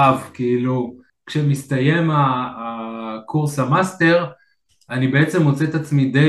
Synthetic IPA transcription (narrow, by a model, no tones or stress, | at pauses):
avkiilu | kʃemist̪aje̞maː | kʰuʁsamast̪e̞ʁ | anibe̞et͡se̞mo̞t͡set̪at͡smid̪e